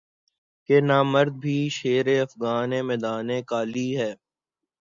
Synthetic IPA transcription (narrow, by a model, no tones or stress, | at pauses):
kenaːməɾd̪̚bʱiːʃeːɾeɐfɣaːnẽmɛːd̪aːnẽkaːliɦɛː